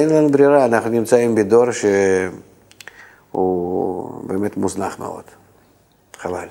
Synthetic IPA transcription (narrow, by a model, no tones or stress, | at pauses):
enlanubɾʲiɾaːnaχnunʲimt͡saimbed̪o̞ɾʃe | ṵ | beːmet̪muznaχmḛo̞̰d̪̥ | χavalʲ